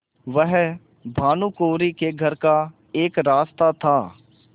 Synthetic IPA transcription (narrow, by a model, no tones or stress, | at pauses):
ʋəɦ | bʱaːnũːkoːɾikeɡʱəɾka | eːkɾaːst̪at̪ʰaː